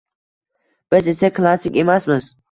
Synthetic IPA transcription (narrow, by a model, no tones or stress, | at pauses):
b̥ɪzesaklˠasɪkʲemasmɪz